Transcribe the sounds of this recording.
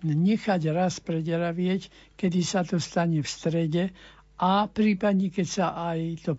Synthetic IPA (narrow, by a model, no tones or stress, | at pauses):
ɲɛxaɟɾaspɾɛɟɾaʋɪɛc | kɛd̪isat̪ɔst̪aɲɛfst̪ɾɛɟɛ | ʔapɾiːpad̪ɲɛkɛcsaʔajt̪ɔ